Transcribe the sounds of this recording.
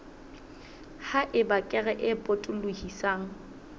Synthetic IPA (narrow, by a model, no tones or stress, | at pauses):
haʔɪbakʼɛɣɛʔɪpʼotʼʊlʊhisaːŋ̩